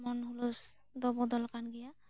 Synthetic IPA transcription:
mɔnhulus | d̪ɔbɔd̪ɔlkanɡija

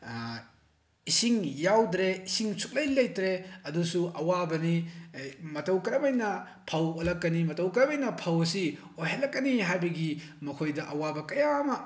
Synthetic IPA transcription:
isiŋjawdɾeisiŋsuk̚lɐjlɐjtɾeɐdusuʔɐwabɐni | mɐtɐwkɐɾɐbɐjnɐ | pʰɐwolɐkːɐnimɐtɐwkɐɾɐbɐjnɐpʰɐwɐsi | ojɦalɐkːɐniɦajbɐɡimɐkʰojdɐʔɐwabɐkɐjamɐ

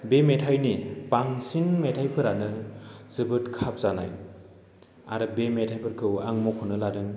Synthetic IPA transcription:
bemetʰajnipaŋsinmetʰajpʰɯɾanɯzɯbɯtkʰap̚z̥ana̰j | a̰ɾɯbemetʰajpʰɯɾkʰɯwa̰ŋmɔkʰɯnɯladɯŋ

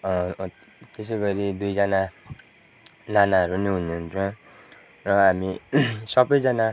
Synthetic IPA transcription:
ʌ | t̪eseɡʌɾid̪ujd͡zana | nanaʌɾuniɦununt͡sʰʌ̃ | rʌɦamisʌbʌjd͡zana

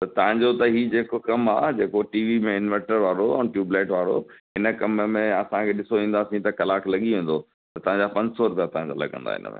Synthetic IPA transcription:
t̪ɐt̪ɐʋ̤ãɲd͡ʑot̪ɐɦid͡ʑeːkokɐmaːd͡ʑeːkoʈiːʋimẽɪnʋɛ̃ɳʈəɾʋaːɾoɛ̃ʈjuːbleːʈʋaːɾo̰ɦɪnəkɐmmẽɐsãkʰeːɗɪsoʋĩːn̆d̪aːsĩt̪ɐkɐlaːkʰlɐɠiɦĩːn̆d̪o | t̪ɐt̪ɐʋ̤ãɲd͡ʑaːpɐ̃ɲd͡ʑsɔɾʊpijat̪ɐʋ̤ãɲd͡ʑo̰lɐ̰ɠɐ̰̃nd̪a̰ɦɪ̰nəmḛ̃ː

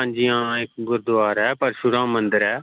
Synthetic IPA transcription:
ãːɲd͡ʒijãːɪkɡʊɾd̪ʊʋaːɾɛːpəɾʃʊɾãːmə̃nd̪əɾɛː

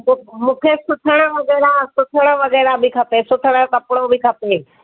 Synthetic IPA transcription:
mũːkʰesʊt̪ʰəɽ̃əʋɐɣɛːɾasʊt̪ʰəɽ̃ə̆ʋɐɣɛːɾabʱɪkʰɐpesʊt̪ʰəɽ̃ə̆kɐpɽ̃obʱɪkʰapeː

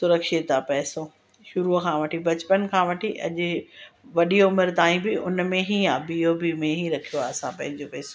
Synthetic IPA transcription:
sʊɾəkʃet̪apɛːso | ʃʊɾukʰãːʋɐʈʰibʱɐt͡ɕpənkʰãʋɐʈʰiʔɐ̰ʄʊ̆ʋɐɗioʊmɪɾt̪aːĩbɪʊnmẽɦiaːbiobimẽɦiɾɐkʰijoaːɐsãpɐ̃ɦɪ̃ɲd͡ʑopɛːso

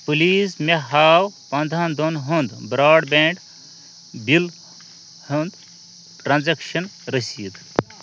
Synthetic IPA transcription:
pɨliːsmeɦaːwpɐ̃nd̪ʱɐ̃nd̪onɦund̪bɾaːɖbẽɳɖ | bil | hund̪ | ʈɾɐ̃nzɐkʃɐnɾəsiːt̪

